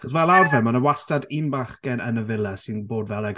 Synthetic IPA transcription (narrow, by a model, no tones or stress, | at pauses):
aχɔs̬vɛlˠarvɛmanəwastadinbaχɡ̥ɛnə̰nəvɪlˠɛsɪnboːdvɛlˠɛɡ